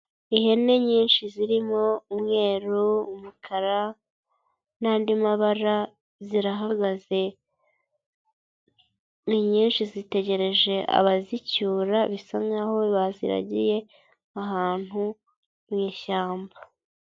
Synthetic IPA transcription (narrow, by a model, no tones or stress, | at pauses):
iɦe̞neɲiːnʃiziɾimo̞umŋe̞ːɾuumukʰaɾa | naːndimaβaɾa | ziɾaɦaɡaze̞ | niɲiːnʃizite̞ɟe̞ɾe̞ʒe̞ʔa̰βazicuːɾaβisaŋɡaho̞βazḭɾa̰ɟḭje̞ | aɦaːn̥hu | mɲiːʃaːmba